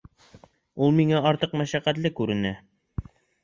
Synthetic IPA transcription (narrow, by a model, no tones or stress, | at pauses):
ulˠmiŋæɑɾt̪ɤqmæʃæqæt̪lɘkʉɾɘ̆næ